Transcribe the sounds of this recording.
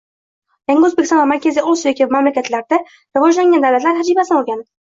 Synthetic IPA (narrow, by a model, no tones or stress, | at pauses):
jaŋɡʲaɵzbekʲɪsɑ̃nvamaɾkʲazijʔosjekʲivmamlakʲat̪ʰlaɾd̪a | ɾɨvɒd͡ʒlaŋɡʲand̪awlat̪laɾɦad͡ʒibasɪnbɒlˠɡʲan